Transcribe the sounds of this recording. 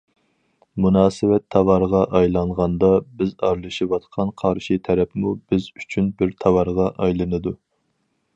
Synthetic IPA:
munɑːsɨwɛt̪ʰːɑwɑɾʁɑʔɑjlˠɑɴʁɑnd̪ɑbɪzɑɾlˠɨʃiwɑt̪qʰɑnqʰɑɾʃit̪ʰɛɾɛpmubɪzyt͡ʃʰynbɪɾt̪ʰɑwɑɾʁɑʔɑjlˠɨnɨd̪u

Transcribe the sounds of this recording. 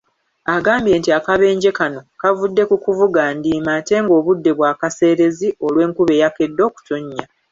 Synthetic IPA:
aɡaːmbje̞ːntiakaβe̞ːɲɟe̞kano̞kavudːe̞kukuvuɡandiːmaːte̞ːŋɡo̞ːβudːe̞βwaːkase̞ːɾe̞zio̞lwe̞ːŋkuβe̞ːjake̞dːo̞ːku̥to̞ɲːa

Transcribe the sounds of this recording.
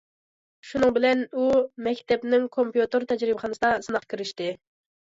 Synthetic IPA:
ʃunɨŋbɪlɛnumɛkʲt̪ɛpnɪŋkʰompjut̪ɨɾt̪ʰɛd͡ʒɾɪbəχɑnɨsd̪ɑsɨnɑqkʲʰiɾɪʃt̪ɪ

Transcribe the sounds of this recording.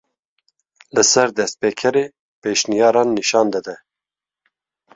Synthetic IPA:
lɨsɛɾd̪ɛst̪̚peːkʰɛɾeː | peːʃnijɑːɾɑːnːiʃɑːnd̪ɨd̪ɛ

